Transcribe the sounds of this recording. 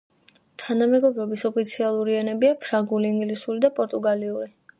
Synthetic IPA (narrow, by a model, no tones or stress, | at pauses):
t̪ʰanamɛɡɔbɾɔbisɔpʰit̪sʰialˠuɾiɛnɛbiapʰɾaŋɡuliiŋɡlisulid̪apʼɔɾt̪ʼuɡaliuɾi